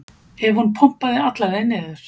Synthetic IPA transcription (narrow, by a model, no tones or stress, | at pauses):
hɛvhunpʰɔm̥paðɪat̪laɾɛnːɪðʏɾ̥